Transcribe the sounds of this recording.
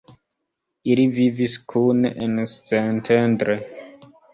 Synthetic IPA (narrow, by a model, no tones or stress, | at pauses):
iliviviskʰunḛnst͡sentʰendɾe